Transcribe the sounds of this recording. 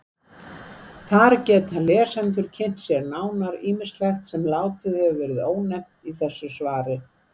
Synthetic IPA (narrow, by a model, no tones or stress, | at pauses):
θaɾcɛːt̪alɛ̥ːsɛnt̪̬ʏɾ̥cʰɪn̥t̪sjɛɾnaːwnaɾiːmɪst̪lajxt̪sɛmlaːwt̪ɪðhɛvʏvɛːɾɪðoːwnɛm̥t̪iθɛsːʏsvaːɾɪ